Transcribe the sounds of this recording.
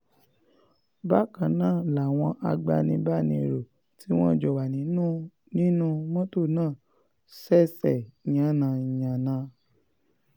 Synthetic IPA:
ba˦kã˨nãː˦˨la˨w̃ɔ̃˧ʔa˧ɡ͡ba̰˧nĩ˧ba˦˨nĩ˧˨ɾo˨ | ti˨˦w̃ɔ̃˦d͡ʒɔ˨wa˨nĩ˨˦nũ˦ | nĩ˦nũ˦mɔ̃˦to˦˨nãː˦˨ | sɛ˦sɛ˨ɲã˨˦nã˧i˨ɲã˨nã˧˦

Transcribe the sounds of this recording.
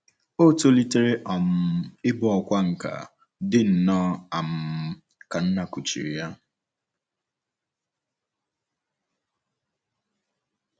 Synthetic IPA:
o˦to˦li˦te˦ɾe˦ʔɔ˨m̩˨ɪ˦bɔ˦ɔ˨kʷa˦ŋ̩˨ka̰˨ | dɪ˦n̩˨nɔ˦a˨m̩˨ | ka˨n̩˦na˨ku˨t͡ʃḭ˨ɾi˨ja˦

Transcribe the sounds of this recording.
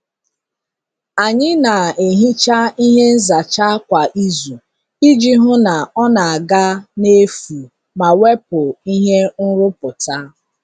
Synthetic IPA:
a˨ɲɪ˦na˨e˨ɦi˦t͡ʃa˦i˦ɦe˦n̩˦za˨t͡ʃa˦kʷa˨ʔi˦zu˨ | i˦d͡ʒi˦ɦʊ˦na˨ɔ˦na˨a˨ɡa˦ne˦fu˨ | ma˨we˦pʊ˨i˦ɦe˦n̩˦ɾʊ˦pʊ˨ta˦

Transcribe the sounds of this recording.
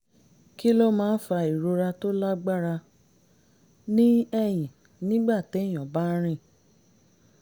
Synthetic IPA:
ki˦lo˦mãː˦n̩˦fa˧i˨ɾo˧ɾa˧to˦la˦ɡ͡ba˦ɾa˧ | nĩ˦ɛ˦˨j̃ĩ˨ | nĩ˦ɡ͡ba˦˨te˨˦˨j̃ɔ̃˨ba˦ɾ̃ĩ˦˨

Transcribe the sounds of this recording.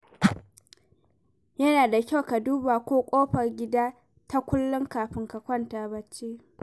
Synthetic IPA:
jɐ˦naː˨da˨kʲa˦wka˨duː˦baː˨kʷoː˦kʷʼoː˦ɸɐ˨rɡʲɪ˦daː˦ | ta˦kʷʊ˦lːʊ˦ŋkaː˨ɸɪ˦ŋka˨kʷɐ˦˨ntaː˨bɐ˦t͡ʃːeː˦

